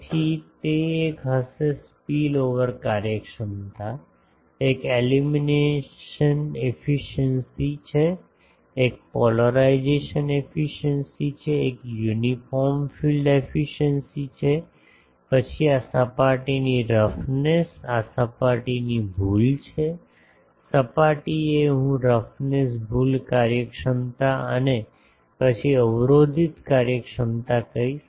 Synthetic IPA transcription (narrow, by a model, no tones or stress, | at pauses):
t̪ʰit̪eekɦəsespiloʋəɾkaɾjəkʃəmt̪ʰa | ekelimineʃənefiʃənsit͡ʃʰeː | k̚pɔləɾaid͡ʒeʃənefiʃənsit͡ʃʰeːkjunifɔɾmfilɖefiʃənsit͡ʃʰe | pət͡ʃʰiasəpaʈiniɾəfnesasəpaʈinibʱult͡ʃʰe | səpaʈieɦũɾəfnesbʱulkaɾjəkʃəmt̪aəne | pət͡ʃʰiəʋɾod̪ʱit̪kaɾjəkʃəmt̪akəɾiʃ